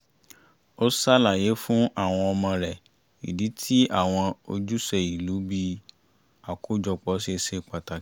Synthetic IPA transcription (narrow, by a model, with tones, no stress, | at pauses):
o˦sa˦la˨je˨˦fũ˦ʔa˦˨w̃ɔ̃˧ɔ˧mɔ̃˧ɾɛ˨ | ḭ˨di˨˦tʰi˦ʔa˦˨w̃ɔ̃˧o˧d͡ʒu˦sɛ˧i˨lu˨˦bi˧ | a˨ko˦d͡ʒɔ˧k͡pɔ˨˦si˦e˧se˦˨k͡pa˨ta˨˦